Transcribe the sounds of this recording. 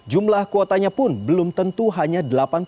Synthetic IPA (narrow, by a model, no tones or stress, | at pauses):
d͡ʒumlahkot̪aɲapʊnbəlʊmt̪ənt̪uɦaɲadəlapan